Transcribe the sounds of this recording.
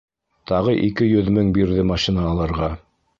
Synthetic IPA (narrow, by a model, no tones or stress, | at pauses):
t̪ɑʁɤʔikɘjɵðmɘŋbiɾðɘmɑʃinɑːlˠɤ̆ɾʁɑ